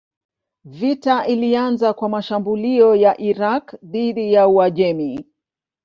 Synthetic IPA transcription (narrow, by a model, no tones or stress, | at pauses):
vitaʔilianzakwamaʃambuliɔjaʔiɾakðiɗijauaʄɛmi